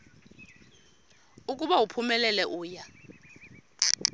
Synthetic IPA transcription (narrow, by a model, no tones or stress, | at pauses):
ukʼuɓawupʰumɛlɛlɛʔuːja